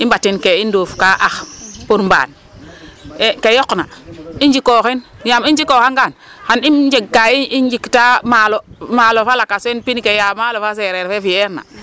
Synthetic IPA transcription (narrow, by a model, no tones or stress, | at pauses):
imbatːinkeindofkaʔaxpuɾmba̰ːn | ekejokna̰ind͡ʒikoxinjamind͡ʒikokaŋɡanxanimd͡ʒeɡːaiind͡ʒiktamalomalofalakasenpinikejamalofaseɾeɾfefijeɾna̰